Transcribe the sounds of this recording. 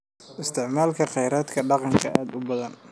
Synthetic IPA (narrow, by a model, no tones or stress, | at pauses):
ʔɪst̪ʰɪʕmaːlkʰɐqɑjɾaːd̪kʰɐɖɑqɑŋkʰɐʔaːd̪ʊbɐðɐn